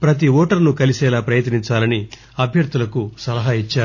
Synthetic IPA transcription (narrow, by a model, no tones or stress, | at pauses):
pɾɐt̪iɔːʈɐɾnukɐlisɛːlaːpɾɐjɐt̪niɲt͡ʃaːlɐni | ɐbʱjɐɾd̪ulɐkusɐlɐɦaːit͡ʃːaːɾu